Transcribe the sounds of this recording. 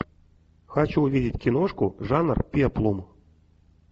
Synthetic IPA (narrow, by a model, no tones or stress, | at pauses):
xat͡ɕuːvʲidʲitʲkʲinoʂkuʐanrpʲiɛplˠum